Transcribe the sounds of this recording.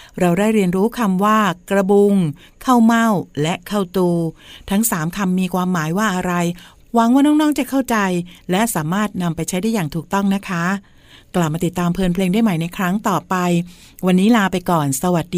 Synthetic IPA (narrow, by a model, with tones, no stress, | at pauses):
ɾa˧wda˥˩jɾi˧ənɾuː˦˥kʰa˧mwaː˥˩kɾa˧bu˧ŋ | kʰa˥˩wma˥˩wlɛ˦˥kʰa˥˩wt̪uː˧t̪ʰa˦˥ŋsaː˩˦mkʰa˧mːiː˧kʰwaː˧mːaː˩˦jwaː˥˩ʔa˧ɾa˧j | wa˨˦˥ŋwaː˥˩nɔː˥˩ŋnɔː˦˥˩ŋt͡ɕa˨˩kʰa˥˩wt͡ɕa˧jlɛ˦˥ʔsaː˩˦maː˥˩t̪̚na˧mpa˧jt͡ɕʰa˦˥jdaː˥˩jːaː˨˩ŋt̪ʰuː˨˩k̚t̪ɔ˥˩ŋna˦˥kʰa˦˥ | kla˨˩p̚maː˧t̪i˨˩t̪ːaː˧mpʰɤː˧npʰleː˧ŋdaː˥˩jmaː˩jna˧jkʰɾa˦˥ŋt̪ɔː˨˩pa˧j | wa˧nːiː˦˥laː˧pa˧jkɔː˨˩nsa˧wa˨˩t̪̚diː˧